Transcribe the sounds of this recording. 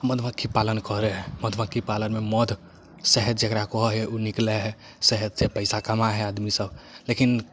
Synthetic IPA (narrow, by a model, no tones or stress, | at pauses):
məd̪ʱʋə̃kʰːipalənkəɾɛɦɛməd̪ʱʋə̃kʰːipalənmeməd̪ʱ | sɛɦət̪d͡ʒekɾakɔɦɔɦɛʔunikleɦɛ | sɛɦət̪sepəɪsakəmaɦɛad̪misəblekin